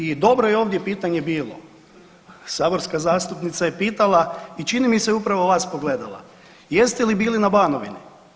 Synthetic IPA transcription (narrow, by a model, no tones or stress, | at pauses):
id̪o̞bɾojeo̞ːʋd̪je̞piːt̪aɲe̞biːlˠo̞̰ | saːbo̞ɾskazaːst̪upnit̪saje̞piːt̪alˠait͡ʃinimiseupɾaʋoʋaːspo̞ɡle̞d̪alˠa̰ | je̞st̪elibiːlinabaːnoʋinḭ